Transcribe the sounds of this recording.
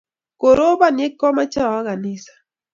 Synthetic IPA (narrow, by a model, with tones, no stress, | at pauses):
ko˨ɾo˦ba˦˨nje˦kːɔ˦ma˦t͡ʃa˦˨a˦ɡa˨nɪ˦sḁ˨